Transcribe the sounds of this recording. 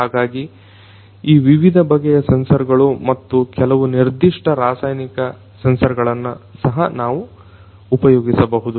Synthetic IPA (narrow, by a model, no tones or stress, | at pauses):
ɦaːɡaːɡi | iːʋiʋid̪ʱɐbʱɐɡɛjɐsɐnsɐɾɡɐɭumɐt̪ːukɛlɐʋuniɾd̪iʂʈɐɾaːsaːjnikɐ | sɐnsɐɾɡɐɭɐnːusɐɦɐnaːʋuː | pɐjoːɡisɐbɐɦud̪u